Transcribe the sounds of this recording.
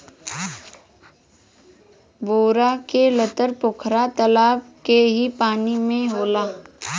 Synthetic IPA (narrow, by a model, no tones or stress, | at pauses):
boːɾakelət̪əɾpʊkʰɾat̪əlaːbkeɦipaːnimẽɦoːlaː